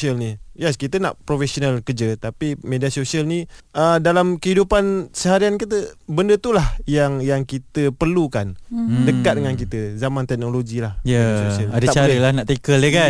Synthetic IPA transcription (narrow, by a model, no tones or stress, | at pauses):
iəlnijɛskit̪əna̰ʔpɾofesonalkəd͡ʒət̪apimediasosialnĩʔədalamkəhidupansəɦaɾiankit̪əbəndət̪ulahjaŋjaŋkit̪əpərlukandəkat̪̚dəŋank̬it̪əzamãnt̪ɛk̚noloɡilahjəaasosialadaat͡ʃaɾəlahnaʔt̪ekələka